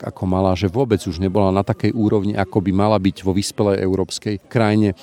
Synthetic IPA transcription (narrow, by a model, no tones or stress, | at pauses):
ka̰kʰɔmalaːʒɛʋʊɔbɛd͡zuʒɲɛbɔlanat̪akɛjʔuːɾɔʊɲḭʔakɔbimalabiɟʋɔʋiːspɛlɛjʔɛ̰ʊɾɔːpskɛjkɾajɲɛ